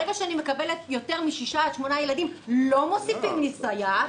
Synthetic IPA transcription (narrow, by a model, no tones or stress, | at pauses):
eɡaʃeanime̞kabe̞let̪jo̞te̞ʁmiʃiʃad̪ʃmo̞naje̞ladimlo̞mo̞sifimnisaja